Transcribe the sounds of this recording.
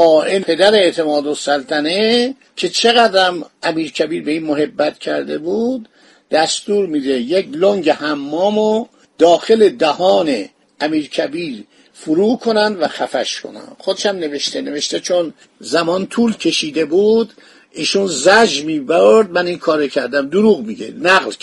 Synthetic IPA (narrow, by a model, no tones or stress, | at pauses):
ɒːʔenpʰe̞d̪æɾeeʔt̪ʰe̞mɒːd̪osælt̪ʰæne | kʲʰe̞t͡ʃʰe̞ɣæd̪ɾæmʔæmiːɾcʰæbiːɾbe̞iːnmoɦe̞bːæt̪cʲʰæ̰ɾd̪e̞buːd̪ː | æst̪uːɾmiːd̪e̞jekʰloŋɟehæmːɒːmo | d̪̥ɒːxe̞le̞d̪æhɒːne̞ | æmiːɾkʰæbiːɾ | fuɾuːkʰo̞nænd̪væxæfæʃkʰo̞̰næ̰nxod̪eʃæmne̞veʃt̪ene̞veʃt̪et͡ʃʰon | zæmɒːnt̪ʰuːlcʰe̞ʃiːd̪e̞buːd̪ | iːʃunzæd͡ʒmiːboɾd̪̚mæninkʰɒːɾocʰæɾd̪æmd̪uɾuːɣmiɡḛnæɣl